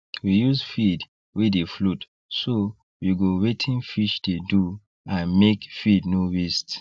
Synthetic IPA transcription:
wijusfid | wieflut | so | wiɡowetʰĩnfiʃdedu | ãnmekfidnowist

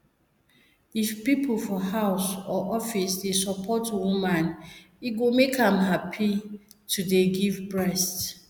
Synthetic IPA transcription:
ifpipʰl̩fɔhaʊsɔʔɔfisdesɔpʰɔtwumãn | iɡomekãmɦapʰitʰudeɡivbɹɛst

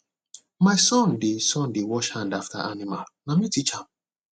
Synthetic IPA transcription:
maɪsɔ̃ndesɔ̃ndewɔʃhãndaftʰa̰ʔanimalnamitit͡ʃãm

